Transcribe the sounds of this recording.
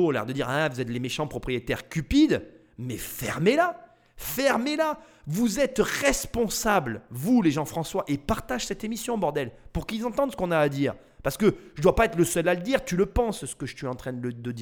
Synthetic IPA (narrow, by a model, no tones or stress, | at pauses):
ola̰ʁd̪əd̪iʁɛ̃vuzɛt̪lemeʃɑ̃pχɔpχijet̪ɛʁkʲypid̪ | mɛfɛ̰ʁmela | fɛʁmela | vuzɛt̪ʁɛspɔ̃sablvuleʒɑ̃fχɑ̃swaʔepaʁt̪aʒ̥sɛt̪emisjɔ̃bɔʁd̪ɛlpuʁkilzɑ̃t̪ɑ̃d̪sə̥kɔ̃naːd̪iːʁ | paʁsə̥kəʒəd̪wapaɛt̪χləsœlaləd̪iʁt̪yləpɑ̃ssə̥kəʒəsɥiɑ̃t̪χɛ̃d̪əd̪əd̪